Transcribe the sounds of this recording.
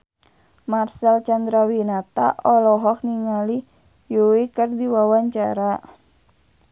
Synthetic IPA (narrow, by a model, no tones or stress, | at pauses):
marsalt͡ʃand̪ɾawinat̪a̰ʔɔlɔɦɔk̚niŋali | juwikɨrdiwawaɲt͡ʃa̰ɾa